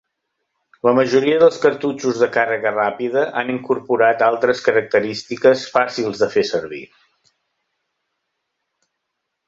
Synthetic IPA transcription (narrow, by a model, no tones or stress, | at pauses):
ləməʒuɾiəðəlˠskəɾt̪ut͡ʃuzðəkarəɣərapiðəʔaniŋkuɾpuɾat̪alˠt̪ɾəskəɾək̚t̪əɾist̪ikəsfasilˠzðəfesəɾβḭ